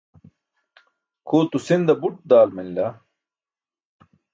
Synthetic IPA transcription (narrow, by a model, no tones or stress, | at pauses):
kʰoːt̪usind̪ɐbuʈ̚d̪aːlminla